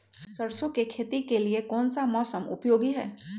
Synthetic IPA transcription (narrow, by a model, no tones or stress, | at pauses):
sɐɾsõkekʰeːt̪ikeliekɔːnsamɔːsəmʊ̰pjoːɡiɦɛ̰ː